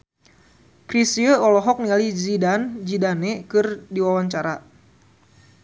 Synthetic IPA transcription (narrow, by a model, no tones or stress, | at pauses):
kɾisiəɔlɔɦɔk̚nializidand͡ʒidanekɨrdiwawaɲt͡ʃaɾa